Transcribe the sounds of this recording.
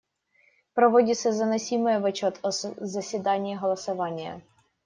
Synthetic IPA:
pɾɐʋɔdʲɪt̪sɐzɐnɐsʲimɨjɛʋʊt͡ɕɔt̪ɔzɐsʲʋʲɪd̪ɑnʲiːɦɔlˠɐsɐʋɑnʲːɪjɐ̰

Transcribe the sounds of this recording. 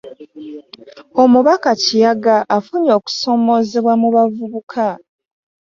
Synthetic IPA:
o̞muβakacijaɡaʔːfuɲo̞ːku̥so̞ːmo̞zeβwamuβavuβukʰa

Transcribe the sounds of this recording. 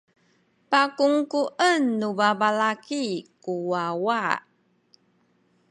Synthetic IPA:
pakuŋkuʔənːubabalakikuwawa

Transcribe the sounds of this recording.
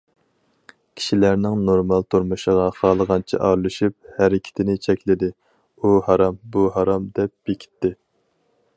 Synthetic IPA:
kʲʰi̥ʃilæɾnɪŋnoɾmɑlˠt̪ʰuɾmuʃəʁɑχɑːlˠəʁɑnt͡ʃʰḭʔɑɾlˠɨʃyp̚hæɾɪkʲʰɪ̥t̪ʰɪnɪt͡ʃʰɛkʲlɪd̪ɪ | uhɑɾɑmbuɦɑɾɑmd̪ɛp̚bekʲʰi̥t̪ːɪ

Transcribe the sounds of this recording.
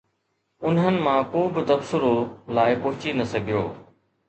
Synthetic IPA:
ʊnɦənɪ̆mãkõːbɪt̪ɐbsʊɾolaːɪpoɦʊt͡ɕinɐsɐɡʱijo̰ː

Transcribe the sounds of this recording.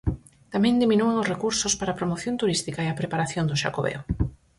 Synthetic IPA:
t̪amɛ̃nd̪iminueŋosrekuɾsospaɾaːpɾomoθjõnt̪uɾist̪ikaeapɾepaɾaθjond̪ʊʃa̰koβɛ̰o

